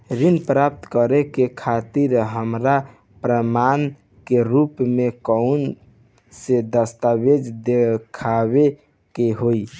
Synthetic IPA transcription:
ɾinpɾap̚t̪kəɾɛkekʰat̪iɾɦəmɾa | pɾəman | keɾupmekəun | sed̪əst̪abed͡ʒd̪ekʰaβe | keɦoi

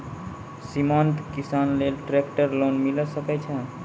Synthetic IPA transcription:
simant̪kisanlelʈɾekʈəɾlonmiləsəkɛt͡ʃʰə̃

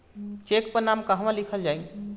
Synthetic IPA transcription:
t͡ʃekpənamkəɦmãlikʰəld͡ʒaj̃

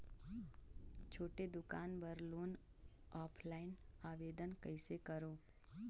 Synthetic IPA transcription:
t͡ʃʰoːʈed̪ʊkaːnbəɾloːn | ɔːpʰlaːɪnaːʋeːd̪ənkəɪsekəɾoː

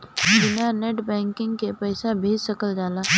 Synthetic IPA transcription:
ɪnaneʈbɛ̃ŋkɪŋɡkepəjsabʱeːd͡ʒsəkəld͡ʒaːla

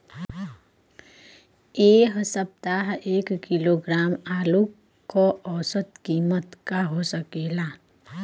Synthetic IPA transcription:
eːɦsəp̚t̪aɦeːkkiloɡɾaːmaːlu | kːɔʔɔːsət̪kiːmət̪kaɦosəkeːla

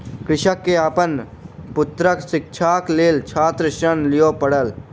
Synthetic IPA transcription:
kɾɪʃəkːeapən | pʊt̪ɾəkʃɪk̚t͡ʃʰaːkleːlt͡ʃʰaːt̪ɾəʃənlɪjopəɽəl

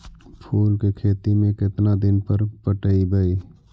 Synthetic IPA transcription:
pʰuːlkekʰeːt̪imẽkɪt̪nad̪ɪnpəɾpəʈəibəiː

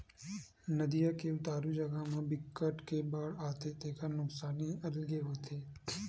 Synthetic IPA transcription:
nəd̪ijakeʋt̪aːɾud͡ʒəɡamãːbɪkːəʈkebaːɽaːt̪et̪ekanʊksaːniəllɡeʋət̪ʰe

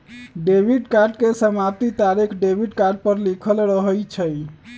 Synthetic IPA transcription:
ɖebiɖkaɾɖkesəmap̚t̪it̪aɾikʰɖebʱiɖkaɾɖ̚pəɾlikʰəlɾəɦəjt͡ʃʰə

